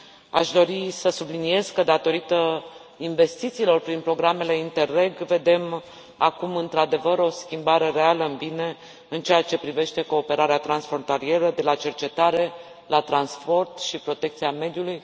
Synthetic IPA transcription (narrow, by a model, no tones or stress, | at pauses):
a̰ʃd̪o̞ɾisəsublinije̞zkəd̪at̪o̞ɾit̪ə | inve̞st̪it̪siːlo̞rpɾinpɾo̞ɡɾame̞le̞int̪e̞re̞ɡve̞d̪e̞m | a̰kumɨnt̪ɾad̪e̞vəɾo̞skʲimbaɾe̞ɾe̞aləɨnbine̞ | ɨnt͡ʃeat͡ʃe̞pɾive̞ʃt̪e̞ko̞ːpe̞ɾaɾeat̪ɾansfɾo̞nt̪alie̞ɾəd̪e̞lat͡ʃe̞rt͡ʃe̞t̪aɾe̞ | lat̪ɾanspo̞rt̪ʃipɾo̞t̪e̞k̚t̪siame̞d̪juluj